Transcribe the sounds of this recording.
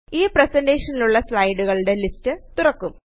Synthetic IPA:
iːpresende̞ːʂɐniluɭːɐslɐjɖuɣɐɭɽe̞listɨt̪urɐkːum

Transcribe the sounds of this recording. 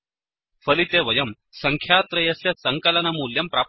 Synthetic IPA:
fəlit̪eʋɐjəm | səŋkʰjat̪ɾɐjɐsesəŋkələnɐmuljɐmpɾap̚

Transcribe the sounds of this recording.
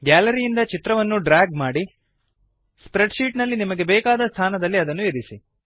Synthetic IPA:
ɡaːlɐɾijind̪ɐt͡ʃit̪ɾɐʋɐnːuɖɾaːɡmaːɽi | spɾeɖʃiːʈnɐlːinimɐɡe̞bɛːkaːd̪ɐst̪ʰaːnɐd̪ɐlːiɐd̪ɐnːueɾisi

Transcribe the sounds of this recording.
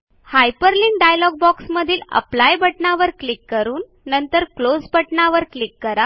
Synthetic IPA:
hajpəɾliŋɡɖajlɔɡ̚bɔksməd̪ʱiːlə̰plajbəʈɳaʋəɾklikːəɾuːnːənt̪əɾklod͡zbəʈɳaʋəɾklikːəɾa

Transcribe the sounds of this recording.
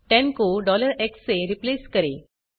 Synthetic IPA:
tɛ̃nkoɖɔləɾekseɾipleskəɾe

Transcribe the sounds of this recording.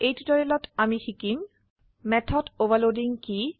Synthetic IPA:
ejʈiʈɔɾelɔʈamixʰikim | mɛt̪ʰɔɖobaloɖiŋki

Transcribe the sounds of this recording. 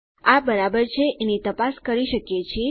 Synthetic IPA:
abəɾabəɾt͡ʃʰeʔenit̪əpaskəɾiʃəkjet͡ʃʰe

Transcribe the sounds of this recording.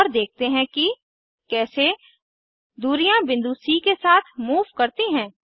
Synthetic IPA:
ɔːɾd̪eːk̚t̪eɦɛ̃ki | kɛːse | d̪uːɾijãbɪ̃nd̪uːsikesaːt̪ʰmuːʋkɐɾt̪iɦɛ̃ː

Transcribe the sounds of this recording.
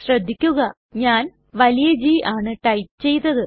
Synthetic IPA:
ɕrɐd̪ʱːikʲːuɣɐ | ɲaːn | ʋɐlijɐd͡ʑiːʔaːɳɨʈɐjpt͡ɕe̞jt̪ːɐðɨ

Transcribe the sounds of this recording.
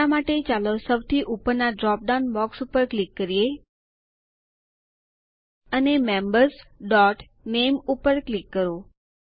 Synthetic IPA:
amaʈet͡ʃalosəʋt̪ʰiʔupəɾnaɖɾɔp̚ɖanbɔksupəɾklikːəɾije | ənemɛmbəɾsɖɔʈ | nemupəɾklikːəɾo

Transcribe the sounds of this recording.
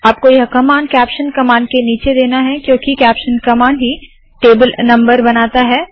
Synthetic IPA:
aːp̚kojɐɦkɐmaːnkɛːpʃənkɐmaːɳɖkeniːt͡ʃed̪eːnaɦɛkjõːkikɛːpʃənkɐmaːɳɖɦi | ʈeːbəlnɐ̃mbəɾbɐnaːt̪aɦɛː

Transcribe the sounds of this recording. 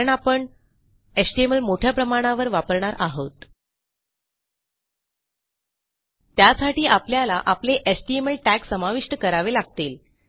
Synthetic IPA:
əɳapəɳ | esʈieməlmoʈʰjapɾəmaɽ̃aʋəɾʋapəɾɳaɾʔaɦot̪ | t̪jasaʈiːʔapljalaʔapleʔesʈieməlʈæksːəmaʋiʂʈəkəɾaʋelaɡt̪el

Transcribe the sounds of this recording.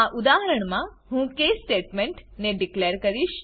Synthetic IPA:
aʔud̪aɦəɾəɳ̃mã | ɦũkesʈeʈmeɳʈneɖikleɾkəɾiʃ

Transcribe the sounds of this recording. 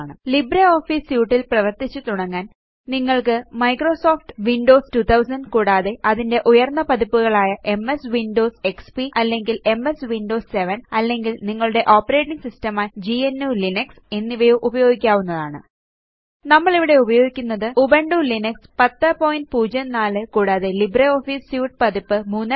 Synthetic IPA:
ɳɨlibɾɐo̞ːfiːsjuːʈːilprɐʋɐrt̪it͡ɕːut̪uɽɐŋːaːn | niŋːɐɭkɨmɐjkro̞ːso̞ːfʈʋiɳɖo̞ːstut̪ʰɐwsɐnɖkuːɽaːðeʔɐðinde̞ʔujɐrnːɐpɐðipːuɣɐɭaːjɐʔe̞me̞sʋinɖo̞ːse̞kspiʔɐlːe̞ŋɡile̞me̞sʋinɖo̞ːsse̞ʋɐnɐlːe̞ŋɡilniŋːɐɭuɽe̞ʔo̞ːpːɐɾe̞ːʈːiŋɡsistɐmaːd͡ʑienːulinɐkse̞nːiʋɐjuʔubɐjo̞ːɡikʲːaːʋunːɐðaːɳɨ̰ | nɐmːɐɭiʋiɽe̞ubɐjo̞ːɡikʲːunːɐðɨubeɳɖulinɐkspɐt̪ːɐpoːjinʈ̚puːd͡ʑɐnaːlɨkuːɽaːðe̞libreoːfisjuːʈ̚pɐðipːɨmuːnː

